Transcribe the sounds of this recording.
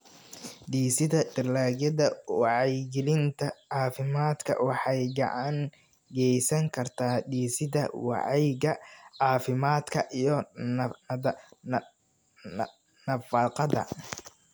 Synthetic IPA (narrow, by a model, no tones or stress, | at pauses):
ɖiːsɪðɐdɪrlaːɡjɐðɐwɑʕɑjɡɪlɪnt̪ʰɐɑːfɪmaːd̪kʰɐ̰wɑħɑjɡɑ̰ʕɑŋ | ɡɛjsɐŋkʰɐrt̪ʰaːd̪iːsɪðɐ̰wɑ̰ʕɑjɡɐʕɑːfɪmaːd̪kʰɐʔijɞ | nɐfɑːqɑðɐ̰